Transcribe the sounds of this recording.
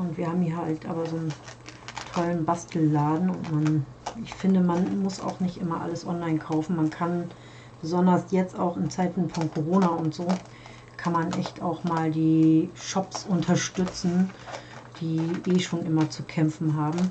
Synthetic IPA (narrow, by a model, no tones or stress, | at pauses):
ʊntv̥iːɐhaːbm̩iːɦaltʔa̰ːbɐzoːn | tʰɔlənbastl̩ːaːdn̩ʊ̰ntman | ɪçfɪndəmanmʊsa̰ʊxnɪçtʔɪmɐʔa̰ləsʔɔ̰nlaɪnkʰaʊfn̩mankʰan | b̥əzɔndɐsjɛt͡staʊxɪnt͡saɪtn̩fɔnkʰoʁ̞oːnaʊntz̥oː | kʰanmanʔɛçtaʊxmaːldiːʃɔpsʔʊntʰɐʃtʏt͡sn̩ | d̥iːʔeːʃoːnʔɪmɐt͡sukʰɛmfn̩ɦaːbm̩